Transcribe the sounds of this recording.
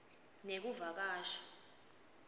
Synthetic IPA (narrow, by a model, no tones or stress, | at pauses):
nek̬uvak̬aːʃḁ